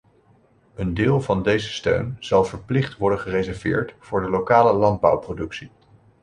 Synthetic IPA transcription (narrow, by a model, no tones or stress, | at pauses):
əndɪːlˠvɑndejzəstø̰ɥnz̥ɑlˠvəɹplɪχtʋɔɹdənχərezɛɹvɪ̰ːɹtv̥ʊːɹdəlokaːləlɑnd̚bʌ̰wprodɵksi